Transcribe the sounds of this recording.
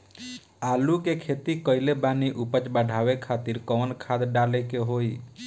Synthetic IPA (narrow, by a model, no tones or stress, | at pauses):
aːlukekʰet̪ikɔɪlebaːniʔupət͡ʃbəɖʱawekʰaːt̪iɾkɔːnkʰad̪ɖalekeɦoi